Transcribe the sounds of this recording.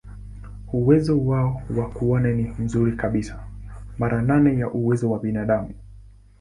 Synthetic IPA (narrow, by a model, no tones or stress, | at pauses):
uwɛzɔwaɔwakuɔnanim̩zuɾikaɓisḁmaɾananɛjaʔuwɛzɔwaɓinaɗamu